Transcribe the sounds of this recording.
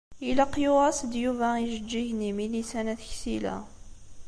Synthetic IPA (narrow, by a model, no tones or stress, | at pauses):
ilæqːjʊʁæsəd̪juvæiʒəd͡ʒːiʝnimilisænæθçsilæ̰